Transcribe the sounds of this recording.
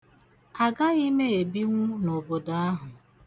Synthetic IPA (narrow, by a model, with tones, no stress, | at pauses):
a˨ɡa˦i˦me˦e˨bi˦ŋʷu˦no˨bo˨da˦a˦ɦʊ˨